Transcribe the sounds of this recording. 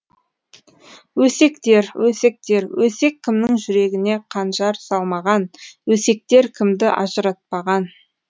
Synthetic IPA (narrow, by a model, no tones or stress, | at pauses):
wɵse̞kt̪e̞ɾwɵse̞k̚t̪e̞ɾwɵse̞kʲʰːɪmnɪŋʒʏɾe̞ɡʲɪne̞qʰɑnʒɑɾsɑlˠmɑʁɑnwɵse̞k̚t̪e̞ɾkʲʰɪmd̪ɪʔɑ̰ʒəɾɑt̪̚pɑʁɑn